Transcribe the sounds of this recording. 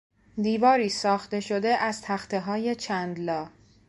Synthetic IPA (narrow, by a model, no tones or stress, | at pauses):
d̪iːvɒːɾiːsɒːxt̪e̞ʃod̪eʔæz̥t̪ʰæxt̪ʰe̞ɦɒːje̞t͡ʃʰænd̪lɒː